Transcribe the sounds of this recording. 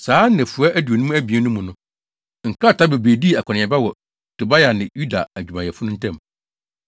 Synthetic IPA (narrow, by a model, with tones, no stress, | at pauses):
saː˨˦nɛ̃˨fʊ˨a˦ʔæ˦du˨o˨nũ˦mũ˦æ˦bi˨ɛ˦nʊ̃˦mʊ̃˨nʊ̃˦ | ŋ̩˨kʰa˦˨tʰa˦be˨be˨di˦˨a˨kʰɔ˨nɪ̃˨ɛ˨ba˦wɔ˨ | tʰo˨ba˦ja˨nɪ̃˨ju˦da̰˨æ˨d͡ʑᶣu˨mã˨jɛ˨fʊ˦nʊ̃˦n̩˦tʰɛ̃˦˨m